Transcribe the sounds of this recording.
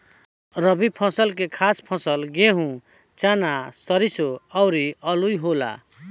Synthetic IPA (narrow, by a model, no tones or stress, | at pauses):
ɾʌbipʰʌ̃sʌlk̬ekʰaspʰʌ̃sʌlɡeɦũ | t͡ʃanasʌɾisoʌwɾiʌlujɦola̰